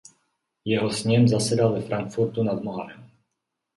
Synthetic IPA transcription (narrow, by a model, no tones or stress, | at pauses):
jɛɦosɲɛmzasɛdalvɛfɾaŋkfuɾt̪unad̪moɦaɾɛm